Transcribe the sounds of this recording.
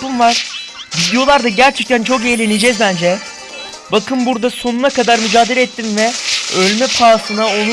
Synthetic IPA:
unvaɾ̥vid̪ejo̞lˠaɾd̪aɟæɾt͡ʃʰɛc̚t̪ʰænt͡ʃʰo̞k̬ejlʲenid͡ʒɛzbænd͡ʒɛ | bakʰɯmbuɾd̪aso̞nunakad̪aɾmyd͡ʒaːd̪eɾɛt̪ːinvɛølʲmɛpʰaːsɯnao̞nu

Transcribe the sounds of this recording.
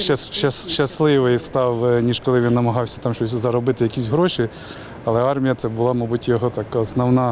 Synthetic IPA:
ʃɐʃɐsʃɐslˠɪʋɪjst̪ɑwnʲiʒkɔlˠɪʋʲinːɐmɐɦɑwsʲɐ̥t̪ɑmʃt͡ʃɔsʲzɐɾɔbɪt̪ɪjɐkʲisʲɦɾɔʃi | ɐlˠɛɑrmʲijɐt̪sɛbʊlˠɑmɑbutʲjɔɦɔt̪ɑkɔsnɔwnɑ

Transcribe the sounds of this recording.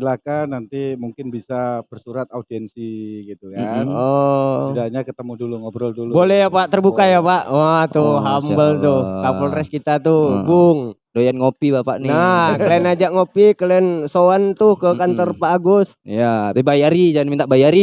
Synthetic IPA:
silakanant̪imuŋkɪnbisabərsuɾat̪audiɛnsiɡit̪ukanɔsidaɲakət̪əmuduluŋɔbɾɔldulubolɛjapaʔt̪ərbukajapaʔat̪ʊɦambəlt̪ʊtapɔlrɛskit̪at̪ʊbʊŋdojanŋopibapa̰ʔninakəliɛnad͡ʒaʔŋopikəliɛnsoant̪ʊhkəkant̪ɔrbaːɡʊsijabebajaɾid͡ʒaŋnmint̪aʔbajaɾi

